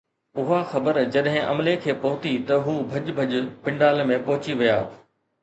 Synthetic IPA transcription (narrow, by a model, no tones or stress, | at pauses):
ʊɦaxɐbəɾd͡ʑɐɗɦɪ̃ʔɐ̰mlekʰeːpɐɦʊt̪it̪ɐɦuːbʱɐʄbʱɐʄpɪ̃ɳɖaːlmẽpɐɦʊt͡ɕiʋija̰ː